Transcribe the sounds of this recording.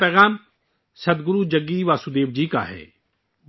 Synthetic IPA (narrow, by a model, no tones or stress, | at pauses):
pɛːɣaːm | sɐd̪ɡʊɾud͡ʒɐɡːiʋaːsud̪eːʋd͡ʒiːka̰ɦɛ̰ː